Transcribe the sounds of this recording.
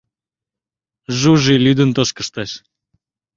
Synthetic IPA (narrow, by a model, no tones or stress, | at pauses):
ʒuʒilʲyd̪ə̆nt̪oʃkəʃt̪ɑʃ